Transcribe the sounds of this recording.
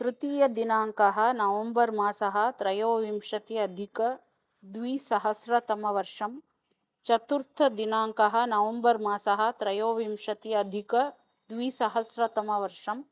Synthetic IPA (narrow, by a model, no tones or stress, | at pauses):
t̪ɾɨt̪iːjɐd̪inaːŋkɐɦɐ̆nɐʋɐmbɐɾmaːsɐɦɐ̆t̪ɾɐjoːʋimʂɐt̪iɐd̪ʱikɐ | d̪ʋiːsɐɦɐsɾɐt̪ɐmɐʋɐɾʂɐm | t͡ʃɐt̪uɾt̪ʰːɐd̪inaːŋkɐɦɐ̆nɐʋɐmbɐɾmaːsɐɦɐ̆t̪ɾɐjoːʋimʂɐt̪iɐd̪ʱikɐ | d̪ʋiːsɐɦɐsɾɐt̪ɐmɐʋɐɾʂɐm